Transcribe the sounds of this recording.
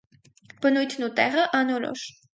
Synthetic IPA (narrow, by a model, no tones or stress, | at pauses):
b̥ənujt̪ʰnut̪ɛʁəʔɑnɔɾɔ̰ʃ